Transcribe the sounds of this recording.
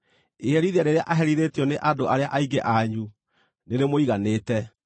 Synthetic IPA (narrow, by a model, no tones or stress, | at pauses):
eɣɛɾiðaɾeɾea̰ʔaɦɛɾiɾetjɔneʔadoʔaɾeaʔaiɡeʔaɲu | neɾemoiɣaneːtɛ